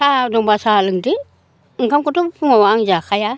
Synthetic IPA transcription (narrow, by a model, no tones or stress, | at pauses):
saduŋbasaliŋdi | ŋ̩kankutufuŋoaŋd͡ʒaxaja